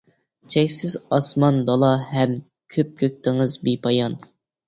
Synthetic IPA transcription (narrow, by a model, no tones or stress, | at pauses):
t͡ʃʰɛkʲsɪzɑsmɑnd̪ɑlˠɑɦɛm | kʲʰøp̚kʲʰøk̚ʲt̪ɪŋɨzbipʰɑjɑn